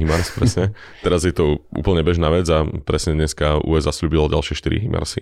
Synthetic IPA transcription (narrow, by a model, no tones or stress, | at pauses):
ɦimaɾspɾɛsɲɛ | t̪ɛɾazjɛt̪ɔṵːpl̩ɲɛbɛʒnaːʋɛd͡zapɾɛsɲɛd̪ɲɛskaṵɛzasʎuːbilɔɟa̰lʃɪɛʃt̪iɾḭɦḭma̰ɾsi